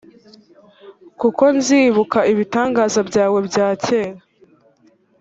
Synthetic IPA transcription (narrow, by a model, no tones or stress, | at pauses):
kuko̞nziːβukaʔiβitaːŋɡaːzabɟaːwe̞bɟaːceːɾa